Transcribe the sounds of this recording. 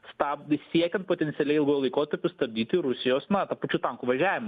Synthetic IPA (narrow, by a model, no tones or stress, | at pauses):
sst̪ɑːpʲɪsʲiɛkʲɛnt̪poːt̪ʲɛnt̪ʲɪɛlʲɛɪɪlˠɡojlˠɐɪkoːt̪ɐɾʲpʲʊst̪ɐb̚ʲd̪ʲiːt̪ʲɪɾʊsʲɪjoːsnɐt̪ɐpɐt͡ʃʲuːt̪ɐŋkuʋɐʒʲæːʋʲɪmɐ